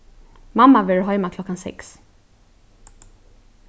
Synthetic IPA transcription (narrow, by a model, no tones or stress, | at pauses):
mamːavɪɹɦɔʏmakʰlɔkːansɛ̰ks